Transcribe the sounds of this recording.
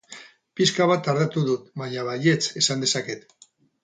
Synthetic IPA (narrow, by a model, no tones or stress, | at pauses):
piskaβat̪aɾðat̪uðut̪βaɲaβaje̞t͡se̞sand̪e̞sake̞t̪